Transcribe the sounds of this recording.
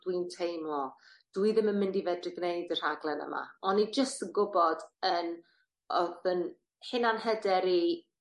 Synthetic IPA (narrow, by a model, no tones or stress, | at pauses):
d̥wintʰejmlɔ | d̥wiðɪmənmɪndivɛdrɪɡneɨdər̥aɡlˠɛnə̰ma̰ɔnːid͡ʒəstənɡʊbɔdən | ɔðən | hɪnanhədɛɾi